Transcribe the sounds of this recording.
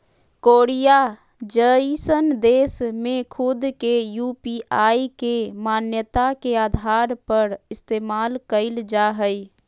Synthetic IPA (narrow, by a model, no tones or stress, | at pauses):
koːɾija | d͡ʒəisənd̪eːsmẽkʰʊd̪kejupiʔaːikemaːnjət̪akeaːd̪ʱaːɾpəɾɪst̪eːmaːlkəɪld͡ʒaɦəi